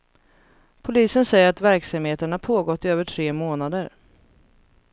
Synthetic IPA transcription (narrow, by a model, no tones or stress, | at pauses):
pʰʊliːsənsɛjəɾat̪væɾksamheːt̪əɳapʰoːɡɔt̪ːɪøːvəʈʰɾeːmoːnad̪əɾ